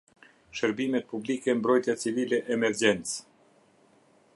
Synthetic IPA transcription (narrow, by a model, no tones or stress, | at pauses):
ʃəɾbimɛt̪̚publikɛmbɾɔjt̪jat͡sivilɛʔːmɛɾd͡ʑɛnt͡s